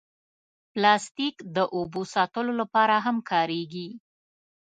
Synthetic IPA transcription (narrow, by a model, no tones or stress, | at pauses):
plɑst̪ikd̪əʔobosɑt̪əlolapɑɾaɦamkʰɑɾeɡi